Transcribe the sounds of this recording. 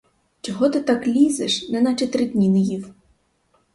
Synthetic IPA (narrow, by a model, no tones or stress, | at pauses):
t͡ʃɔɦɔt̪ɪt̪ɑklʲizɛʂnɛnɐt͡ʃɛt̪ɾɪd̪ʲnʲinɪjiw